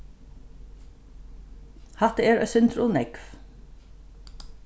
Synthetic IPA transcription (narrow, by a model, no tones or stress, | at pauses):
hɑt̪eːɾœ̰sʏnt̪ɾʊnɛkf